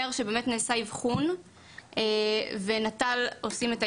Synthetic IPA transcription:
eʁʃebeːmetneːsaivχun | ve̞natalosime̞ta

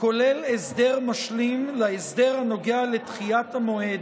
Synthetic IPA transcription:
ko̞lelesd̪eʁmaʃlimlaesd̪eʁhano̞ɡealet̪χiatamo̞ed̪

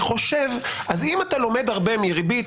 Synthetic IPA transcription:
χo̞ʃevʔazimat̪alome̞d̪aʁbe̞miʁibi

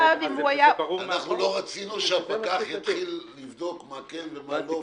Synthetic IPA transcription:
dimuajaanaχnulo̞ʁat͡sinuʃeapakaχjit̪χilːivd̪o̞kmakenvemalo

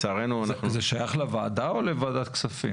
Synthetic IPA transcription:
t͡saːʁenuanazeʃajaχlevaːd̪aolevaːd̪at̪ksafi

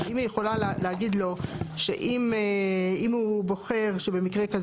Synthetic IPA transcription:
imijeχo̞lalleaɡid̪lo̞ʃḛʔim | imubo̞χe̞ʁʃebe̞mikʁe̞kaz

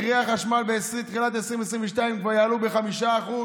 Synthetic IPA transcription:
ʁiaχaʃmalbeesit̪χilat̪esʁĩmvesʁĩmveʃtaimkvajaːlubeχamiʃaːχu

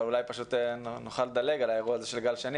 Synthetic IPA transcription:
ulajpaʃut̪noχaled̪ale̞ɡalaeʁuaːze̞ʃelɡalʃeni

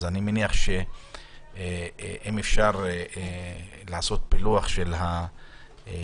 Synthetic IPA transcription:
zanimeniaχʃe | ʔimefʃaʁ | laːso̞t̪̚piluaχʃelha

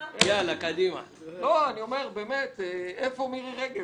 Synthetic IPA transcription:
jalakad̪ima̰ | loanio̞meʁbeːmet̪eefomiʁiʁeɡe

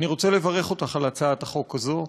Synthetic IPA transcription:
niʁo̞t͡sele̞vaʁeχo̞t̪aχalat͡saat̪aχo̞kazo

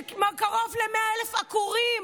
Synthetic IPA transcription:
makaʁovlemeaelefakuʁi

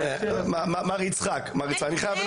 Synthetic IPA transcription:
mamamaʁit͡sχakmaʁit͡sχakaniχajav

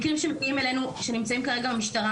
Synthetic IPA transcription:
kʁimʃemekiime̞le̞nuʃe̞nimt͡saimkaʁe̞ɡabemiʃtaʁa

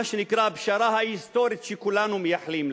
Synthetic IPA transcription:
aʃnikɾaːbʃɑɾˤɑhajist̪oːɾit͡ʃikulaːnumjaħlim

